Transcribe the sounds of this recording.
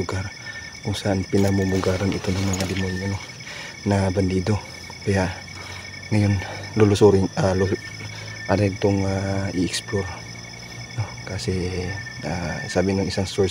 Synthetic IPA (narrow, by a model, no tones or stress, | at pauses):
ʊɡaɾ | kʊŋsaʔanpɪnamʊmʊɡaːɾanʔɪt̪onaŋmɐŋad̪ɪmonjono | naband̪iːd̪o | kɐja | ŋɐjonlolʊsuɾɪŋalu | ʔanɛɡ̚t̪oŋaɪʔɛksploɾ | nokasɛ | asaːbɪnaŋʔɪsaŋsoɹ